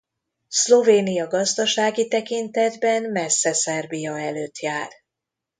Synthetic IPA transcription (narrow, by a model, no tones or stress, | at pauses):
slo̞veːnijɒɡɒzd̪ɒʃaːɡit̪ɛkint̪ɛd̪bɛnmɛsːɛsɛrbijɒɛløːt̪jaːr